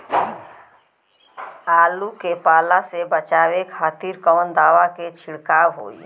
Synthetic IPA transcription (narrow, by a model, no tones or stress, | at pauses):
aːlukepaːlasebət͡ʃaːwekʰaːt̪iɾkɔːnd̪aːʋaket͡ʃʰɪɽkaːwɦo̰ːḭ